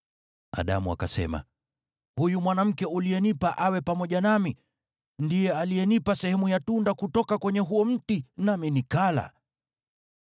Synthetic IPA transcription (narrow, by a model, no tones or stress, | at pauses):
a̰ɗa̰mua̰kasɛ̰ma̰ | hujumwanam̩kɛulijɛnipaʔawɛpamɔʄanami | ndijɛalijɛnipasɛhɛmujatundakutɔkakwɛɲɛɦuɔm̩tinaminikala̰